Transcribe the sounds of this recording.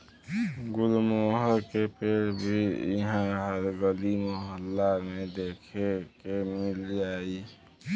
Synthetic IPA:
ɡulmoɦəɾkepeɾbʱiḭɦãɦəɾɡəlimoɦəlːamed̪ekʰekemild͡ʒai

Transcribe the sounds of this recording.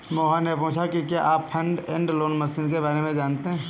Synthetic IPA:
moːɦanepõːt͡ʃʰakikjaʔaːppʰə̃ɳɖẽɳɖloːnməsiːnkebaːɾemẽd͡ʒaːnt̪eɦɛ̃ː

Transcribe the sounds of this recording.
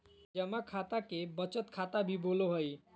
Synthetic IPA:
d͡ʒəmakʰat̪akebət͡ʃət̪kʰat̪abʱiboloɦəj

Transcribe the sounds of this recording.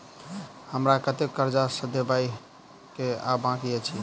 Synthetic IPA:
həmɾakət̪ekəɾd͡ʒasəd̪ebai | kea̰bãkijɛt͡ʃʰi

